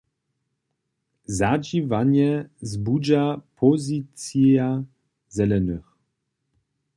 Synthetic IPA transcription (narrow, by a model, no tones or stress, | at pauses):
zad͡ʒivaɲɛzbud͡ʑapʰɔzit͡sa | zɛlɛnɨx